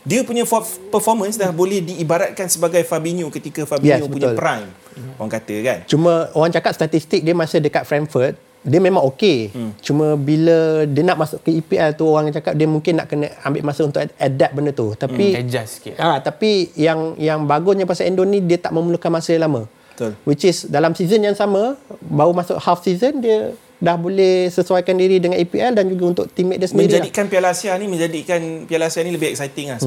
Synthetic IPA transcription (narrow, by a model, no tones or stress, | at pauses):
diəpuɲəfɔt̪pəfɔmə̃nsdabolɛhdiːbaɾat̪̚kansəbaɡajfabiɲukət̪ikəfabjɛsɲubəpuɲʊlpəɾaŋ | oaŋkat̪əkant͡ʃumə̃oɣaŋt͡ʃakat̪̚st̪at̪ist̪ɪk̚diəmasədəkat̪̚fɾɛmfərt̪̚ | diəmẽmãŋoket͡ʃumə̃bilədiənaʔmasʊʔkəipiɛlt̪uoɣaŋjat͡ʃakap̚diəmuŋkɪnːa̰ʔkənəambɪʔmasəunt̪ʊadɛp̪̚bəndət̪ut̪apikəd͡ʒaskiat̪apijaŋjaŋbaɡʊsɲəpasaɛndonidiət̪aʔmə̃muluhkanmasəjəlamə̃ | t̪wit͡ʃɪsdalamsizənjaŋsaməbaumasʊ̰ʔhalfsizəndiə | dahbolɛhsəsuajkandiɾidəŋanipiɛldand͡ʒuɡaunt̪ʊʔ̚t̪imɛʔ̪dəsəəndəiɾid͡ʒadikanpialasianimə̃ɲd͡ʒadikanpialasianiləbɪɛk̚sajt̪ɪŋa